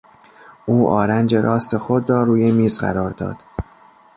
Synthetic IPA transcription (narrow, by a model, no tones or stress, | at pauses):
ʔuːʔɒ̰ːɾænd͡ʒe̞ɾʔɒːst̪ʰe̞xo̞d̪rɒːɾuːjemiːzɢæ̰ɾɒːɾd̪ɒ̰ːd̪̥